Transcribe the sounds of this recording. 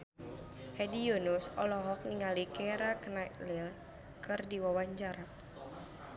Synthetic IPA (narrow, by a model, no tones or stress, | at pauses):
hɛdijonusɔlɔɦɔk̚niŋalikɛɾaknatlil | kɨrdiwawaɲt͡ʃaɾa